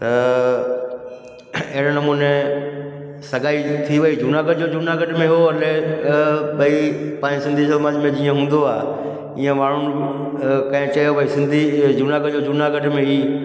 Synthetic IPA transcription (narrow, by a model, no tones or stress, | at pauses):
t̪ɐ | ɐɦɪɽnɐmuːne | sɐɡaːit̪ʰiʋɐid͡ʑunaɡəɖd͡ʑoːd͡ʑunaɡɐɖmẽɦoɐle | bɐipãːɲsɪ̃nd̪ʱisɐmad͡ʑmẽd͡ʑiːə̃ɦũːnd̪oaː | iːə̃ʋaːɳ̤ʊn | kɐ̃ɦɪ̃t͡ɕɐjobɐisɪ̃nd̪ʱid͡ʑunaɡəɖd͡ʑoːd͡ʑunaɡɐɖmẽɦiː